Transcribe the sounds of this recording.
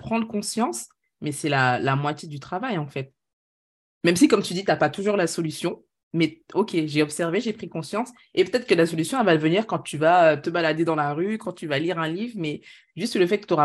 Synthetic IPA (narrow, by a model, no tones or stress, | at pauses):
pχɑ̃d̪ʁəkɔ̃sjɑ̃s | mɛsɛlalamwat̪jed̪yt̪χavajɑ̃fɛt̪̚ | mɛmsikɔmt̪yd̪it̪yapat̪uʒuʁlasɔlysjɔ̃ | mɛokʲeʒeɔpsɛʁveʒepχikɔ̃sjɑ̃s | epøt̪ɛt̪χəkəlasɔlysjɔ̃ɛvad̪əvəniʁkɑ̃t̪yvaøt̪əbalad̪ed̪ɑ̃laʁykɑ̃t̪yvaliʁɛ̃livʁmɛ | ʒyst̪ləfɛt̪̚kə̥t̪oʁa